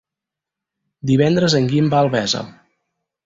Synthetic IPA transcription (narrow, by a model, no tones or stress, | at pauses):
d̪iβɛnd̪ɾəzəŋɡimbaəlˠβɛzə̰